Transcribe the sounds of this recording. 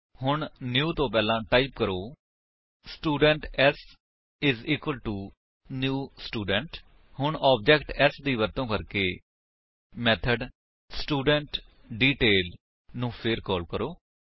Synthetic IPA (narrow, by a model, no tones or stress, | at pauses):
hʊɳnjuːt̪õːp̬ɛːlãːʈaːiːpkəɾoː | sʈuːɖəɳʈɛs | ɪziːkwəlʈuː | njuːsʈuːɖəɳʈ | hʊɳɔːb̚d͡ʒɛːkʈɛːsd̪iːʋəɾt̪õːkəɾkeː | mɛːt̪ʰəɖ | sʈuːɖəɳʈ | ɖiːʈeːl | nũːpʰɪɾkɔːlkəɾoː